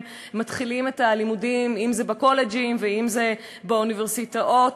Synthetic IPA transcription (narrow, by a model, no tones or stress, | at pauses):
matχilime̞talimudimimzebako̞led͡ʒimveimze | beuniveʁsitaʔo̞t